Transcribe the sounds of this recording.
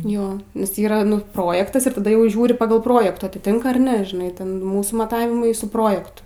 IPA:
ˈjoː nʲɛs ˈiːrɐ nʊ ˈproːjɛktɐs ɪr tɐˈdɐ ˈjɛʊ ˈʒʲuːrʲɪ ˈpɑːɡɐlˠ ˈproːjɛktuː ɐtʲɪˈtʲɪŋk ɐr ˈnʲɛ ʒʲɪˈnɐɪ ˈtʲɛn ˈmuːsuː mɐˈtɑːʋʲɪmɐɪ sʊ ˈproːjɛktʊ

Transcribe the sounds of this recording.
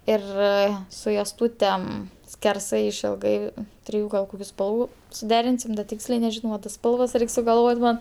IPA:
ˈɪr sʊ joːsˈtuːtʲɛm sʲkʲɛrˈsɐɪ ɪʃʲɪlˠˈɡɐɪ ˈtʲrʲɪjʊ ɡɐlˠ ˈkoːkʲʊ ˈspɐlˠʋʊ sʊˈdʲæːrʲɪnʲsʲɪm dɐ ˈtʲɪksʲlʲɛɪ nʲɛˈʒʲɪnoː ʋɐ tɐs ˈspɐlˠʋɐs ˈrʲɛɪk sʊɡɐlˠˈʋoːtʲ ˈmɐn

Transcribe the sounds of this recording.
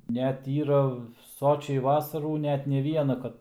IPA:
ˈnʲɛt ˈiːrɐ ˈsoːt͡ʃʲɛɪ ˈʋɑːsɐruː ˈnʲæːtʲˈnʲɛ ˈʋʲiɛnɑː kɐt

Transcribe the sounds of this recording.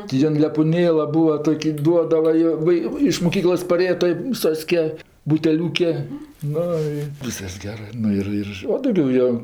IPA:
tʲɪ ˈjɪn lʲɛpʊˈnʲeːlˠɐ ˈbʊɐ ˈtoːkʲɪ ˈduɔdɐʋɐ joː ˈʋɐ ɪ ɪʃ moːˈkʲiːklˠoːs pɐˈrʲeːjɛ toːj uː ˈsoːsʲkʲɛ bʊtʲɛˈlʲuːkʲɛ ˈnʊ ɪ ˈʋʲiːskɐs ˈɡʲæːrɜ ˈnʊ ɪr ɪr oː dɐʊˈɡʲɛʊ joː

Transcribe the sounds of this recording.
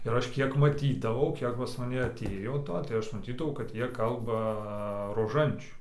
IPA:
ɪr ˈɐʃ ˈkʲiɛk mɐˈtʲiːdɐʋɐʊ ˈkʲiɛk pɐs mɐˈnʲɛ ɐˈtʲeːjoː ˈtoː tɐɪ ˈɐʃ mɐˈtʲiːdɐʋɐʊ kɐt ˈjiɛ ˈkɐlˠbɐ roːˈʒɐnʲt͡ʃʲuː

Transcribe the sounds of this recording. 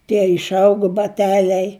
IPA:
tʲiɛ ɪʃˈɐʊɡʊ bɐˈtʲæːlʲɛɪ

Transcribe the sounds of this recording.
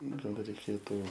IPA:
ˈnʊ ɡɐlˠ rʲɛɪˈkʲeːtuː

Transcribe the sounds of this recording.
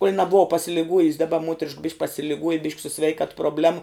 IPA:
kuɔlʲ nɐˈbʊʋɐ pɐsʲɪlʲɪˈɡuɔjʊsʲ dɐˈbɐ ˈmuɔtʲɛrʲɪʃk bʲɪʃʲkʲ pɐsʲɪlʲɪˈɡuɔjɛ bʲɪʃʲkʲ sʊ ˈsʲʋʲɛɪkɐt proːbʲˈlʲæːmʊ

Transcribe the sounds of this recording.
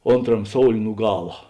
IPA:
ˈoːnˌtrɐm ˈsoːʊlʲeː nʊ ˈɡɑːlˠɐ

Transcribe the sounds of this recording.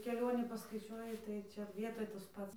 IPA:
kʲɛˈlʲoːnʲiː pɐskɐɪˈt͡ʃʲuɔjɪ tɐɪ ˈt͡ʃʲɛ ˈʋʲiɛtoːj tɐs ˈpɐts

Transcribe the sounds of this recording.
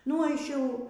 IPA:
nʊ ˈɐʃ ˈjɛʊ

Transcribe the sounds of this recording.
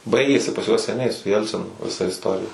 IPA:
ˈbɐɪɡʲeːsʲɪ pɐs juɔs sʲɛˈnʲɛɪ sʊ ˈjɛlʲt͡sʲɪnʊ ʋʲɪˈsɐ ɪsˈtoːrʲɪjɛ

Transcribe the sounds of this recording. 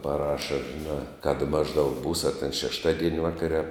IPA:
pɐˈrɑːʃɐ ʒʲɪˈnɑː kɐt ˈmɑːʒˌdɐʊk buːs ɐ tʲɛn ʃʲɛʃˈtɑːdʲiɛnʲ ˈʋɑːkɐrʲɛ ɐ

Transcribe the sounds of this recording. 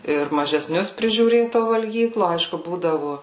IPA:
ɪr mɐʒʲɛˈsʲnʲʊs pʲrʲɪʒʲuːˈrʲeːt toː ʋɐlʲˈɡʲiːklˠoː ˈɐɪʃkʊ ˈbuːdɐʋʊ

